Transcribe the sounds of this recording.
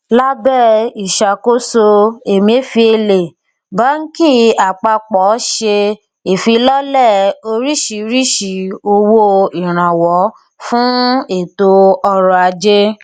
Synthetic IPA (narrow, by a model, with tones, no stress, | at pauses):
la˦bɛ˦˨i˨ʃa˨ko˦so˧e˨mĩ˨e˦fi˧e˧le˨ | ba˨˦n̩˦ki˦˨a˨k͡pa˧k͡pɔ˨˦ʃe˧ | e˨fi˧lɔ˦lɛ˦˨o˧ɾi˦ʃi˨˦ɾi˦ʃi˨o˧wo˦i˨ɾ̃ã˨wɔ˨˦ | fũ˦e˦˨to˧ɔ˧ɾɔ˨˧˨a˧d͡ʒe˦